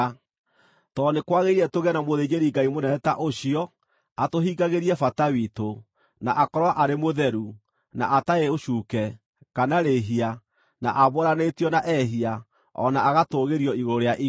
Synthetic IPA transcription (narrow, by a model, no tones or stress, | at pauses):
tɔnekwaɣeiɛtoɣɛnamoðeɲeɾiŋɡaimonɛɛtaʔoɕiɔ | atoɦiɡaɣeɾiɛfatawito | naʔakɔɾwaʔaɾemoðɛɾu | na̰ʔataeoɕuːkɛ | kanaɾeɦia | na̰ʔaβoɾanetjɔnaʔɛɦia | ɔ̰naaɣatoːɣeɾiɔiɣoɾoɾeaʔi